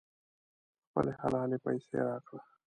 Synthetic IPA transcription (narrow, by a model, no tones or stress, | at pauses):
xpə̰leha̰laːlepajsḛɾaːkɽa